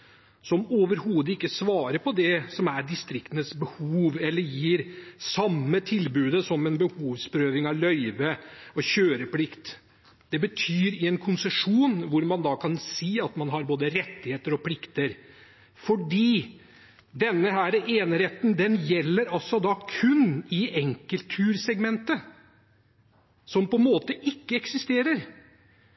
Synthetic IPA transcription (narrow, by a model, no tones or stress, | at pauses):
sɔmoːʋəɾhuːd̪əɪkːəsʋɑːɾəpɔd̪ɛsɔmæɖɪst̪ɾɪkt̪ənətsbəhuːʋɛlːəɾjiːɾsɑmːət̪ʰɪlbʉːd̪əsɔmɛnbəhuːʋspɾøːʋɪŋɑʋlœʏʋəɔɕøːɾəpʰlɪkt̪ | d̪̥ɛbət̪ʰyːɾɪɛnkʰʊnsəʂuːnʋʊɾmɑnd̪ɑːkʰɑnsiːɑt̪mɑnɦɑɾboːd̪əɾɛt̪ːɪheːt̪əɾɔpʰlɪkt̪əɾ | fɔɖiː | d̪ɛnːəɦæːɾəʔeːnɾeːt̪nd̪ɛnjɛlːəɾɑlsɔd̪ɑkʰʉnːɪɛŋkəlt̪ʰʉːɾsɛɡmɛnt̪ə | sɔmpɔmoːt̪əʔɪkːəɛksɪst̪eːɾəɾ